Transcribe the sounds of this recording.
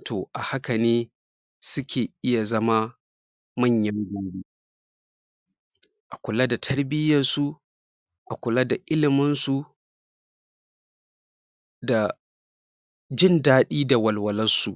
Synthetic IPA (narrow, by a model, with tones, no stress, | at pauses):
tʰoː˨ʔa˨ha˦kɐ˨neː˦ | sʊ˦kʲʰeː˨ʔɪ˦ja˨zɐ˦ma˦ | mɐ˦˨ɲjɐ˦ŋɡʷaː˦ɽiː˦ | ʔa˨kʷʊ˨la˦da˨tʰɐ˦ɽbɪ˦jɐ˨rsu˦ | ʔa˨kʷʊ˨la˦da˨ʔɪ˦lɪ˨mɪ˦nsu˨ | da˨ | d͡ʒɪ˦ndaː˦ɗiː˦da˨wɐ˨lwɐ˨lɐ˦nsu˨ʔ